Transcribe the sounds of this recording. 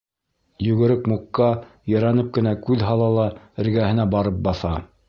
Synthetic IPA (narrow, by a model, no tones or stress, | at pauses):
jʉɡɘ̆ɾɘkmuqːɑ | jɑ̆ɾɑnɤp̚kɘ̆nækʉðɦɑlˠɑlˠɑ | ɘ̆ɾɡæhɘ̆næbɑɾɤp̚bɑθɑ